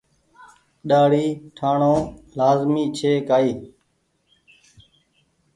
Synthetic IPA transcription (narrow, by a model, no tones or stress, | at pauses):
ɗaːɽiːʈʰaːɳõːlaːzmiːt͡ʃʰeːkaːiː